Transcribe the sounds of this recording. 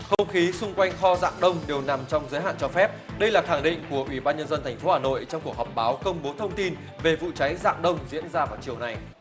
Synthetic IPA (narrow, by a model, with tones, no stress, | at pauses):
xə˧wŋ͡mxi˨˦sʊ˧ŋ͡mkwa˧jŋ̟xɔ˧za̰ː˧˨ŋɗə˧wŋ͡mɗe˨˩wna˨˩mt͡ɕɔ˧wŋ͡mzəː˨˦jɦa̰ː˧˨nt͡ɕɔ˧fɛ˦˥p̚ɗə˧jlaː˨˩xaː˧˩ŋɗḭ̈˧˨ŋ̟ku˧˩əʔwi˧˩ɓaː˧nɲə˧nzə˧nt̪ʰɛ˨˩jŋ̟fo˨˦haː˨˩no̰˧˨jt͡ɕɔ˧ŋ͡mku˨˩ək̚hɔ˨˩p̚ɓaː˨˦wkə˧wŋ͡mɓo˨˦t̪ʰə˧wŋ͡mt̪i˧n | ve˨˩vṵ˧˨t͡ɕa˨˦jza̰ː˧˨ŋɗə˧wŋ͡mzḭ˧˥ənzaː˧vaː˨˩wt͡ɕi˨˩əwna˨˩j